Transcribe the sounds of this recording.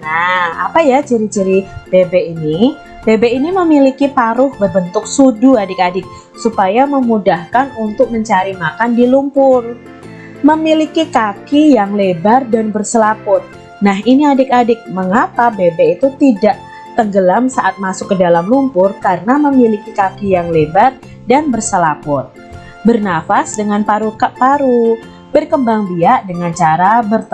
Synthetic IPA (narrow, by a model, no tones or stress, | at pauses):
naa̰pajat͡ʃiɾit͡ʃiɾib̥ebeini | b̥ebeiniməmilikipaɾʊhbərbənt̪ʊk̚suduadɪk̚adɪk̚ | supajaməmudahkanunt̪ʊk̚məɲt͡ʃaɾimakandilumpʊr | məmilikikakijaŋlebardanbərsəlapʊt̪̚ | nahiniadɪk̚adɪk̚məŋapabebɛit̪ut̪idaʔ | t̪əŋɡəlamsaʔat̪̚masʊkːədalamlumpʊrkarənaməmilikikakijaŋlebar | danbərsəlapʊt̪̚ | bərnafasdəŋanpaɾukapaɾu | bərkəmbaŋbiaʔdəŋant͡ʃaɾabərt̪